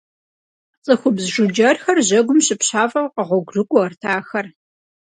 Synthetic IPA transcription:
t͡sʼɨxʷʊbzʒʊd͡ʒɐrxɐrʑɐɡʷʊmɕɪpɕaːfʼɐwqəʁʷɔɡʷrɨɡʷʼʊɐrtʰaːxɐr

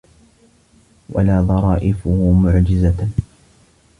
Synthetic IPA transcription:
wʔa̰laːðˤɑɾˤɑːʔɪfʊhʊmʊʕd͡ʒɪza

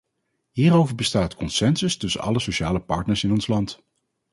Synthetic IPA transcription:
ɦiːrowvəɹbəstaːtkɔnsɛnsɵstɵsə̰nʔɑ̰ləsoʃaːləpɑ̰ɹtnəɹsɪnɔnslɑnt

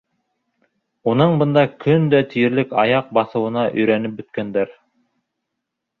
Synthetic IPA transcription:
unɤɴbɤ̆nd̪ɑkʰɵnd̪æt̪ʰijɘ̆ɾlɘkɑjɑq̚bɑθɤ̆wɤ̆nɑʔɵ̆jɾænɘp̚bɵ̆t̪kænd̪æɾ

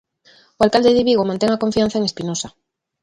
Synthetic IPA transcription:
oalkald̪eðiβiɣomãnt̪eŋakõɱfiãn̟θaeŋespinosa

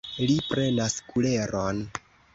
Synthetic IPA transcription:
lipɾe̞naskule̞ɾo̞n

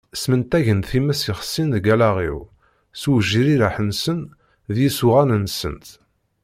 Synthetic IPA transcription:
smənt̪æʝənθimːæsiχə̥sːinðɡælaʁḭw | suwəʒːiɾiɾaħənsən | ðjisuʁælənsə̰nt̪

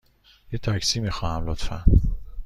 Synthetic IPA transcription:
jet̪ʰæcsiːmixɒːhæmlot̪fæ̰n

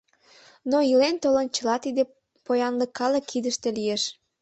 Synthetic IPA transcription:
noilent̪olənt͡ɕəlɑt̪id̪e | pojɑnləkːɑləkʰːid̪əʃt̪elijeʃ

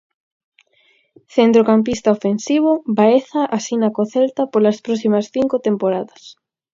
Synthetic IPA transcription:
θent̪ɾokamp̬ist̪aofensiβ̞obaeθaʔasinakoθelt̪apolaspɾɔsimɐsθiŋkot̪empoɾaðɐs

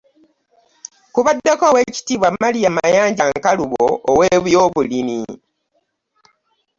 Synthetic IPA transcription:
kuβadːekoːwe̞ːci̥tiːβwamːalijamajaːɲɟaŋkaluβo̰ːweβujo̞ːβulini

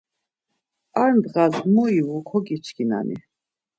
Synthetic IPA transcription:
aɾnd̪ʁazmɔiwukʰɔɡit͡ʃʰkʰina̰nḭ

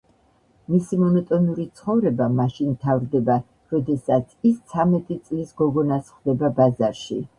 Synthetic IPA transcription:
misimɔnɔt̪ʼɔniuɾit̪sʰχɔvɾɛbamaʃint̪ʰavɾd̪ɛba | ɾɔd̪ɛsat̪sʰist̪sʰamɛt̪ʼit̪sʼlisɡɔɡɔnasχd̪ɛbabazaɾʃḭ

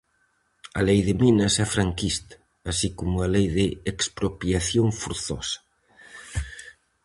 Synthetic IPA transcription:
a̰lejðɪminɐsɛfɾaŋkist̪ḁ | asikomualejðɪekspɾopjaθjoŋfuɾθɔ̰sɐ̥

